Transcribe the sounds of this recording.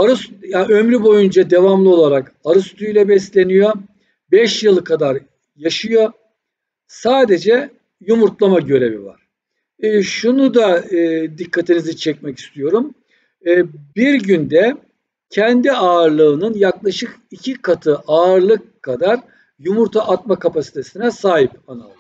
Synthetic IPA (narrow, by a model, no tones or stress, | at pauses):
aɾɯsjaømɾybo̞jund͡ʒad̪e̞vamlˠɯo̞lˠaɾak | aɾɯst̪ʰujlʲɛbɛslʲe̞nijo̞ | bɛʃjɯlˠkʰad̪aɾ | jaʃɯjo̞ | saːd̪e̞d͡ʒɛ | jumuɾt̪lˠamaɟø̞ɾe̞vḭva̰ɾ̥ː | ʃunud̪aɯd̪ikʰːat̪ʰinizit͡ʃʰɛc̚mɛci̥st̪ʰijo̞ɾumː | biɾɟynd̪ɛ | cʰɛnd̪iaːɾlˠɯːnɯnjaklˠaʃɯkicʰikʰat̪ʰɯʔaːɾlˠɯkkʰːad̪aɾ | jumuɾt̪ʰaʔat̪̚makapasi̥t̪ʰe̞sinɛsaːɦipana